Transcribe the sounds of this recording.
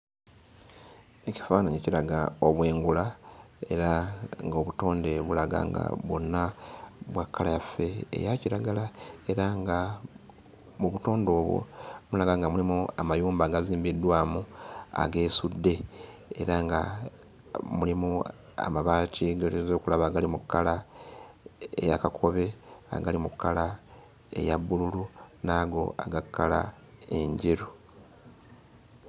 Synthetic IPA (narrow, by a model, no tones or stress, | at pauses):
e̞ci̥faːnaɲecilaɡao̞βwe̞ːŋɡula | e̞̰ɾaŋɡo̞βuto̞ːnde̞βulaɡa̰ːŋɡa̰βwo̞nːaβwakʰːalajafːe̞̰ːjaciɾaɡalae̞ɾaŋɡa | muβuto̞ːndo̞ːβwo̰mulaɡaŋɡamulimuamajuːmbaːɡaziːmbidːwaːmua̰ɡe̞ːsudːe̞eɾaŋɡa | mulimu | a̰maβaːciɡoɾizo̞ːkulaβaːɡalimukːala | ḛjakakʰo̞βe̞a̰ɡalimukːala | ḛjaβːululunaːɡo̞̰a̰ɡakʰːala̰ | e̞ɲɟiɾu